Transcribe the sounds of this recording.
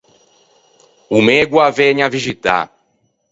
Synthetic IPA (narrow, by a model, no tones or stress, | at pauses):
umeɡwaveɲaviʒit̪a̰